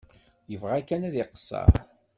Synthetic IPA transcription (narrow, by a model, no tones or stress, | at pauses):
jəvʁækːænæðɪqə̥sˤːɑ̰ɾˤ